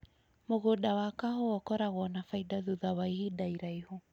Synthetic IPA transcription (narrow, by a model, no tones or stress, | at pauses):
moɣodawakaɦoɔkɔɾaɣwɔnafaidaðuðawaihidaiɾaiho